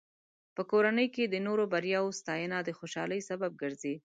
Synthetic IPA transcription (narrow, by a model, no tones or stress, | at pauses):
pəkoɾanəjked̪ənoɾobaɾjɑwost̪ɑjənad̪əxoʃɑləjsabab̚ɡəɾzi